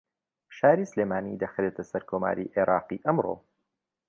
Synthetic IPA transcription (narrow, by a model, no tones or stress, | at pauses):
ʃaːɾiːsleːmaːnid̪ɐxɾet̪ʰɐsɐɾkʰoma̰ːɾḭʔeɾʔaːqiːʔɐmro̰